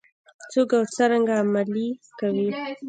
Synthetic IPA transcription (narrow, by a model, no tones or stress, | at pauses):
t͡sokawt͡səɾaŋɡaːmalikawi